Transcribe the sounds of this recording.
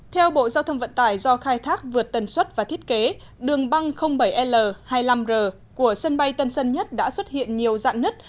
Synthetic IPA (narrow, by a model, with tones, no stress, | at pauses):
t̪ʰɛ˧wɓo̰˧˨zaː˧t̪ʰə˧wŋ͡mvə̰˧˨nt̪aː˧˩jzɔ˧xaː˧jt̪ʰaː˦˥k̚vɨ˨˩ət̚t̪ə˨˩nswə˦˥t̚vaː˨˩t̪ʰi˦˥ət̚ke˨˦ | ɗɨ˨˩əŋɓa˧ŋxə˧wŋ͡mɓə˧˩jʔɛ˧ləː˨˩haː˧jla˧mzəː˨˩ | ku˧˩əswə˧nɓa˧jt̪ə˧nsə˧nɲə˦˥t̚ɗa̰ː˧˥swə˦˥t̚hḭ˧˨ənɲi˨˩əwza̰ː˧˨nnɨ˦˥t̚